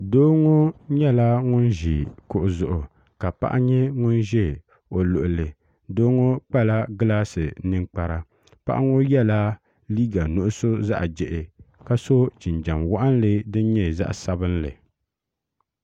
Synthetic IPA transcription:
doː˦ŋo˦ɲɛ˦la˦ŋʊ˦nʒi˨kʊ˨ʔʊ˨zʊ˨ʔʊ˨ | ka˨pa̰˦ʔa˦ɲɛ˦ŋʊ˦nʒɛ˦˨ | o˨lʊ˨ʔʊ˨lɨ˨ | doː˦ŋo˦k͡pa˦la˦ɡɨ˦laː˦sɨ˨nɨ˦ŋk͡pa˨ɾa˦ | pa̰˦ʔa˦ŋo˦jɛ˦la˦ | liː˦ɡa˨nʊ˨ʔʊ˦so˦za̰˦ʔd͡ʒɛ˨ʔɪ˨ka˦so˦t͡ʃɪ˨nd͡ʒa˨mwa˦ʔa˦n˦lɨ˦dɨ˦n˦ɲɛ˦˨za̰˦ʔsa˦bɨ˦nlɨ̰˨

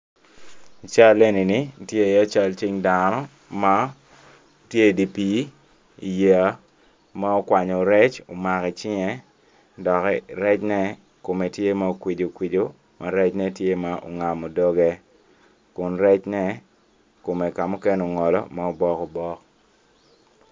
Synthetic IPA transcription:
t͡ʃa˦le˦ni˨ni˦˨tje˦˨ja˦t͡ʃa˦lt͡ʃi˦ŋdanɔ˦ | ma˦ | tje˦˨di˨pi˦ | i˨ja˨˦ | ma˦o˦kwa˨ɲo˨ɾɛ˦t͡ʃo˨ma˨kɛ˨t͡ʃɪ˦ŋɛ˦ | dɔ˨kɛ˦ɾɛ˦t͡ʃnɛ˦ | ko˨me˨tje˦ma˦o˨kwi˨d͡ʒo˨kwi˨d͡ʒo˦ | mʔa˨ɾɛ˦t͡ʃnɛ˦tje˦ma˦ʔo̰˨ŋa˨mo˨dɔ˦ɡɛ˦ | kʊ˨nɾɛ˦t͡ʃnɛ˦ | ko˨me˨ka˨mo˦ke˦no˨ŋɔ˨lɔ̰˦ma˦o˨bɔ˦ko˨bɔ˦k

